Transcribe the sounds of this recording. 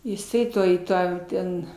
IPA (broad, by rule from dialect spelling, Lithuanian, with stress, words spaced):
jɪˈsɐɪ ˈtoːj ˈtɑː ˈtʲɛn